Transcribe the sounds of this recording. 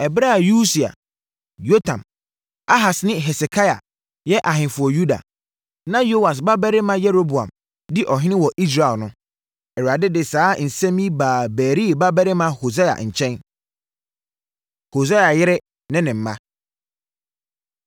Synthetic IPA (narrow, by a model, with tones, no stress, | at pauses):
ɛ˨bɾa˦˨ju˦si˨a̰˨ | jo˦tʰã˨m | a˦ɦa˨snɪ̃˦ɦɛ˨sɛ˨kʰa˦ja̰˨ | jɛ˦ʔa˨ɦɪ̃˨fʊ˨ɔ˨ju˦da̰˨ | nã˦jo˦wa˨s̬ba˦bɛ˦ɾɪ˦mã˦jɛ˦ɾo˦bu˨ã̰˨m | dɪ˦ʔɔ˨ɦɪ˦nɪ̃˦wɔ˨ʔi˦s̬ɾa˦˨lnʊ̃˦ | ɛ˨wu˨a˨dɪ˦dɪ˨saː˨˦˨n̩˨sɛ̃˦mĩ˦baː˨bɛː˨ɾi˦˨ba˦bɛ˦ɾɪ˦mã˦ho˨s̬a˦ja̰˨ɲ̩˨t͡ɕʰɛ̃˦n | ho˨s̬a˦ja˨jɪ˦ɾɪ˦ | nɪ̃˦nɪ̃˨m̩˨mã˦